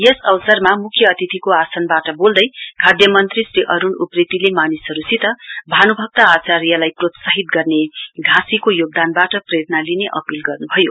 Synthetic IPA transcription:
jesʌwʌsʌrmamukʰːjʌːt̪it̪ʰikoasʌnbaʈʌbold̪ʌjkʰad̪jʌmʌnt̪risriʔʌɾunuprit̪ilemanisɦʌɾusit̪ʌbʱanubʱʌk̚t̪aːt͡sarjʌlajprot̪saɦit̪ɡʌrneɡʱasikojoɡ̚d̪anbaʈʌprʌjet̪nalineʔʌpilɡʌrnubʱʌjo

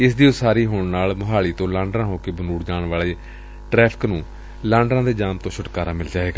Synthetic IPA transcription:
ɪsd̪iːsaːɾiːɦoːɳnaːlmʊɦaːɭiːt̪õːlãːɳɖɾãːɦoːkeːbənuːɽd͡ʒaːɳʋaːleː | ʈɾɛːpʰɪ̥knũː | lãːɳɖɾãːd̪eːd͡ʒaːmt̪õːʃʰʊʈkaːɾaːmɪld͡ʒaːʋeːɡaː

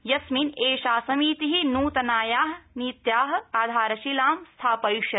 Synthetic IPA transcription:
jɐsmineːʃaːsɐmiːt̪iɦinuːt̪ɐnaːjaːɦɐniːt̪jaːɦɐ̆aːd̪ʱaːɾɐʃilaːmst̪ʰaːpɐjʃjɐ

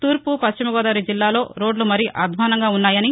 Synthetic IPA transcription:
t̪uːɾpupɐʃt͡ʃimɐɡɔːd̪aːɾid͡ʒilːaːlo̞ːɾo̞ːɖlumɐɾiʔʔɐd̪ʱʋɐɐnɐŋɡaːunːaːjɐni

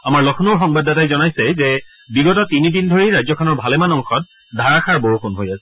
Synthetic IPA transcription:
amaɹlɔkʰnoɹxɔŋbadatajzɔnajsɛzɛ | biɡɔtɔtinidindʱoɹiɹajzɔkʰɔnɔɹbʱalɛmanɔŋxʰɔt̚ | dʱaɹakʰaɹboɹuxʰonɦojasɛ

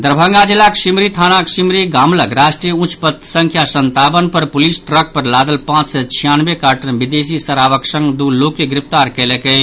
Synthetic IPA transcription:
d̪əɾbʱəŋɡad͡ʒilːaksimɾit̪ʰanaksimɾiɡamləkɾasʈɾijəũt͡ʃpət̪sə̃ŋkʰjasənt̪abənpəɾpolisʈɾək̚pəɾlad̪əlpãt͡ʃsɛt͡ʃʰijanbekaɾʈənbid̪esisəɾaʋəksə̃ŋɡd̪ulokːeɡɾip̚ʰt̪aɾkɛlekɛ

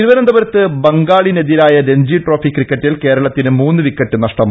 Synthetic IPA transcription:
iɾuʋɐnɐmd̪ɐʋɐɾɐt̪ːɨbɐŋɡaːɭineðiɾaːjɐɾeɲd͡ʑiʈro̞ːfikːrikːɐʈːilke̞ːɾɐɭɐt̪ːinɨmuːnːɨʋikːɐʈːɨnɐʂʈɐm

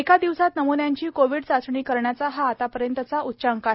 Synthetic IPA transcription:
ekad̪iʋsat̪nəmunjaɲt͡ɕiːkoʋiɽt͡sat͡sɳiːkəɾɳjat͡saɦaːt̪apəɾjənt̪ət͡saʔutːɕaŋka

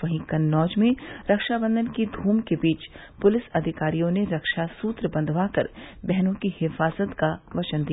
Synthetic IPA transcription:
ɐɦĩkɐnːɔːd͡ʒmẽɾɐkʃabə̃nd̪ʱənkid̪ʱuːmkebiːt͡ʃ | pʊlɪsɐd̪ʱɪkaːɾijõneɾɐkʃasuːt̪ɾəbɐ̃nd̪ʱʋaːkɐɾbɛɦnõkihɪfaːzət̪kaʋɐt͡ʃənd̪ija

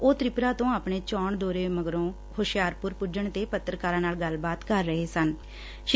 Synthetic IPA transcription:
oːt̪ɾɪpɾaːt̪õːaːpɳeːt͡ʃɔːɳd̪oːɾeːməɡɾõː | hoʃjaːɾpʊɾpʊd͡ʒəɳt̪eːpət̪ːɾəkaːɾãːnaːlɡəlbaːt̪kəɾːəɦeːsən | ʃ

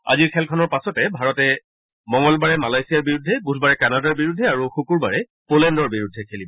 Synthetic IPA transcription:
a̰ziɹkʰɛlkʰɔnɔɹpasɔtɛbʱaɹɔtɛ | mɔŋɔlbaɹɛmalajsijaɹbiɹudʱːɛbudʱbaɹɛkanadaɹbiɹudʱːɛaɹuxukuɹbaɹɛ | polɛndɔɹbiɹudʱːɛkʰelibɔ

